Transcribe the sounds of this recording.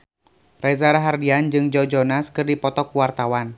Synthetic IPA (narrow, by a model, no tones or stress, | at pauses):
rɛzaɾaɦardiand͡ʒɨŋd͡ʒɔd͡ʒɔnaskɨrdipɔt̪ɔkuwart̪awan